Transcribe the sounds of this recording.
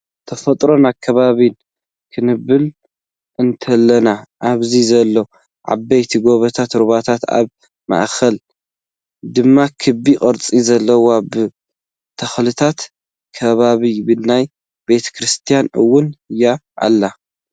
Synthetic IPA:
t̪ʰɐfɐt̪ʼɾo̞nakʰɐβaβin | kʰɨnɨbːɨl | ʔɨnt̪ʰɐlːɐnaʔaβzizɐlːo | ʕa̰bɐjt̪ʰiɡo̞βɐt̪ʰat̪ɾuβat̪ʰat̪a̰β | ma̰ʔkʰɐl | d̪ɨmːakʰɨbikʼɐɾt͡sʼizɐlːɐwabɨ | t̪ʰɐxlɨt̪ʰat̪ | kʰɐβaβibɨnaj | be̞t̪ʰɐ̥kʰɾɨst̪ʰijanʔɨwːʊnɨjːaʔa̰lːa

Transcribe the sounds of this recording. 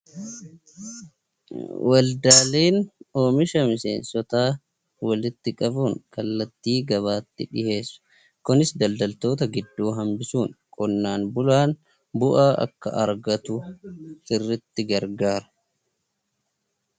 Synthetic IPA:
wʔɐld̪aːleːnoːmɪʃɐmɪsḛːnsɔt̪aː | wɐlɪt̪ːɪkʼɐbuːŋkɐlːɐt̪ːiːɡɐβaːt̪ːɪᶑɪhe̞ːsːʊ̥ | kʊnɪsd̪ɐld̪ɐlt̪o̞ːt̪ɐɡɪd̪ːuːɦɐmbɪsuːŋkʼɔnːaːnbʊlaːn | bʊʔaːʔɐ̰kːɐ̰ʔɐɾɡɐt̪ʊtɪrːɪt̪ːɪɡɐɾɡaːɾɐ̥

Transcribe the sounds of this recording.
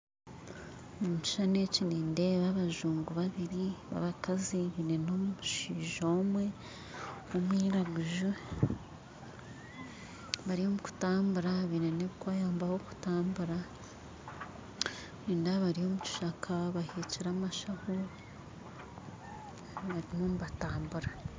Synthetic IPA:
mumuci̥ʃane̞ciniːnde̞βaβaʒuːŋɡuβaβiɾiβa̰βakaziβine̞no̞muuʃiːʒo̞ːmwe̞ | omwiːɾaɡuʒu | βaɾio̞muku̥taːmbuɾaβine̞neβikwaːjaːmbaho̞ku̥taːmbuɾa | niːndaβaɾiho̞muci̥ʃakʰaβaheːciɾamaʃaho | βaɾinomuβataːmbuɾa

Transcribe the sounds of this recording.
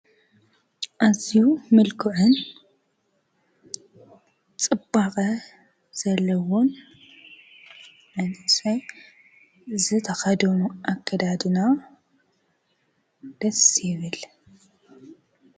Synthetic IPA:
ʔazijumɨlkʰʊʕɨn | t͡sʼɨbːaqʼɐ | z̥ɐlːɐwon | ʕɨnɨsɐj | zɨt̪ʰɐxɐd̪ɐmuʔakʰːɐd̪ad̪ɨna | d̪̥ɐsjɪβɨl

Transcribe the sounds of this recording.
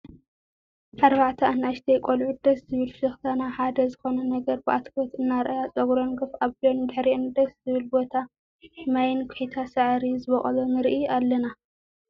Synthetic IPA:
ʔaɾβaʕt̪ʰɐanaʃt̪ʰɐjkʼolʕud̪ɐszɨβɨlʃɨxt̪ʰanaħad̪ɐzɨxo̞nɐnɐɡɐɾbɨʔat̪kʰɐt̪ɨnːaɾʔajat͡sʼɐɡɾonɡɨfaβlond̪ɨħɾiʔɨnd̪ɐszɨβɨlbo̞t̪ʰa | ħɨmajɪnkʰʊħit̪ʰasɨʕɾizɨβɐχʼɐlonɨɾʔialːɐna

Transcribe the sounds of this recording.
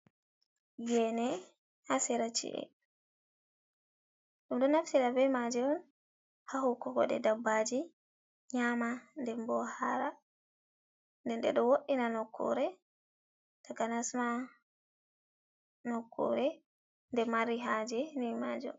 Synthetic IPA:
jɛnɛ | hasɛɾat͡ʃḭʔɛ̰ | ɗumɗɔnaftiɗabɛmad͡ʒɛɔn | haɦukːɔɡɔ̰ɗɛ̰dabːad͡ʒi | ɲamandɛmbɔhaɾa | ndɛnɗɛ̰ɗɔwoɗinanɔkʰːɔ̰ɾɛ | takanasma | nɔkʰːɔ̰ɾɛ | ndɛmaɾiɦad͡ʒɛnimad͡ʒɛ̰

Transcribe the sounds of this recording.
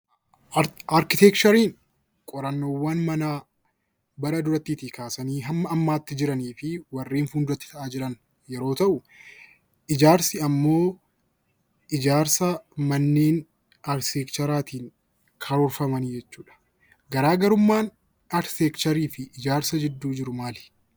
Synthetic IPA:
ɐɾkɪt̪eːkt͡ʃɐɾiːŋ | kʼɔɾɐnːo̞ːwːɐnmɐnaː | bɐɾɐd̪ʊɾɐt̪ːiːt̪iːkaːsɐniːɦɐmːɐɐmːaːt̪ːɪd͡ʒɪɾɐniːfɪwɐrːiːnfuːnd̪ʊɾɐt̪ːɪ̥t̪ɐʔaːd͡ʒɪɾɐn | jɛɾo̞ːt̪ɐʔʊ | ʔɪd͡ʒaːɾsɪɐmːo̞ː | ʔɪd͡ʒaːɾsɐmɐnːeːn | aːɾseːkt͡ʃɐɾaːt̪iːŋ | kʰɐɾɔɾfɐmɐniːd͡ʒɛt͡ʃːuːᶑɐ̥ | ɡɐɾaːɡɐɾʊmːaːn | aɾst̪eːkt͡ʃɐɾiːfɪʔɪd͡ʒaːɾsɐd͡ʒɪd̪ːuːd͡ʒɪɾʊmaːlɪ̥

